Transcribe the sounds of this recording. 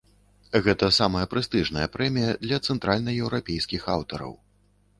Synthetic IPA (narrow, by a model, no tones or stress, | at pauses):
ɣɛt̪ɐsamɐjɐpɾɨst̪ɨʐnɐjɐpɾɛmʲijɐd̪lʲɐt̪sɛnt̪ɾalʲnɐjɛwɾapʲejskʲixawt̪ɐɾɐ̰w